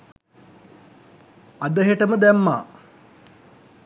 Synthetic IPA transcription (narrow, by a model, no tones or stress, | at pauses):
ad̪əɦeʈəməd̪æmːa̰ː